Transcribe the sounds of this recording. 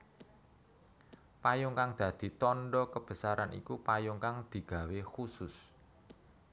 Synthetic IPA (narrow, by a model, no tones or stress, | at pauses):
pajʊŋkaŋd̪̥ä̤d̪̥i̤t̪ɔnɖɔkəb̥ə̤saɾanḭkupajʊŋkaŋd̪̥i̤ɡ̥a̤wexusʊs